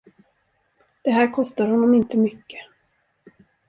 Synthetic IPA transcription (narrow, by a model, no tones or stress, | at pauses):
d̪̥ɛɦæːɾkʰɔst̪aɾhɔnːɔmɪnt̪əmʏkːə